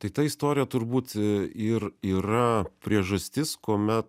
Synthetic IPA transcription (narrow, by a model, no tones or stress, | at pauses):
t̪ɐɪt̪ɐist̪oːɾʲɪjɛt̪ʊɾbuːt̪ɪriːɾɐpʲɾʲiɛʒɐsʲt̪ʲɪskoːmʲɛt̪̚